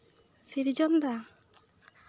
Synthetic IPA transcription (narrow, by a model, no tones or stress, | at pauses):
siɾd͡ʒɔnd̪a